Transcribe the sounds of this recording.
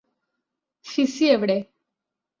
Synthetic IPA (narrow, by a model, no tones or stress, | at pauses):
sisieʋɽe